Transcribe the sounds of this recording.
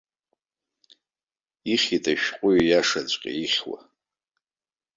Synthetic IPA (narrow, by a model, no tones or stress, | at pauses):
iχʲitʼaʃᶣqʷʼʊɥjaʂat͡ɕʷʼqʲʼa̰iχʲwa̰